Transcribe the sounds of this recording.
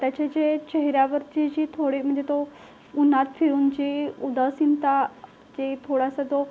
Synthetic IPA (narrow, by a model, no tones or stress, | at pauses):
t̪jat͡ɕed͡ʑet͡ɕeɦɾjaʋəɾt͡ɕed͡ʑiːt̪ʰoɽiːm̤əɳd͡zet̪o | unat̪fʰiɾuːnd͡ʑiud̪asint̪a | d͡ʑet̪ʰoɽasat̪o